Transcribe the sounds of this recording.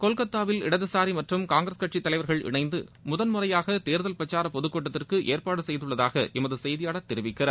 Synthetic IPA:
kɔlkɐt̪ːaːʋɪlɪɽɐðɯsaːɾimɐʈrɯmkaːŋɡɾɐskɐʈt͡ʃit̪ːɐlɐɪʋɐɾɣɐɭʔɪ̰ɳɐɪnd̪ɯ̰mʊðɐnmʊrɐjaːɣɐt̪eːɾðɐlpɾɐt͡ʃaːɾɐpɔðɯkːoːʈːɐt̪ːɪrkɯʔeːrpaːɽɯsɛjðɯɭːɐðaːɣɐʔɛmɐðɯsɛjðɪjaːɽɐt̪ːɪɾɪʋɪkːɪrɐ

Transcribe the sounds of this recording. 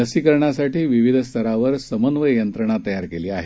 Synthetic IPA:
əsiːkəɾɳjasaʈiːʋiʋid̪ʱst̪ʰəɾaʋəɾsəmənʋəjənt̪ɾəɳ̃at̪əjaɾkeliːaɦe

